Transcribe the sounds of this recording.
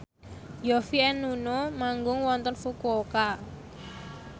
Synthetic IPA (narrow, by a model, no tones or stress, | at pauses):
jɔfiɛnunomaŋɡʊŋwɔnt̪ɔnfukoka